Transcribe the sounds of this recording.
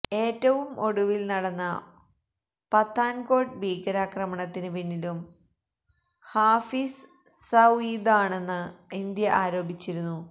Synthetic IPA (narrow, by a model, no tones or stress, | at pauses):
e̞ːtːɐʋumʔo̞ɽuʋilnɐɽɐnːɐ | pɐt̪ːaːnko̞ːɖbʱiːɡɐɾaːkrɐmɐɳɐt̪ːinɨpinːilum | haːfis | sɐwiːd̪aːɳe̞nːɨind̪jɐʔaːɾo̞ːbʱit͡ɕːiɾunːu